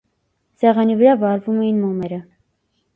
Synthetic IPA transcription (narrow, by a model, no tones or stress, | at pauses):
sɛʁɑnivəɾɑvɑɾvumɛjinmɔmɛɾə